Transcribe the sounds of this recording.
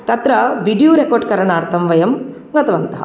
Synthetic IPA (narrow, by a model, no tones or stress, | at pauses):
t̪ɐt̪ɾɐʋiɖijuːɾekoːɾɖkɐɾɐɳaːɾt̪ʰɐmʋɐjɐm | ɡɐt̪ʰɐʋɐnt̪ɐɦɐ̰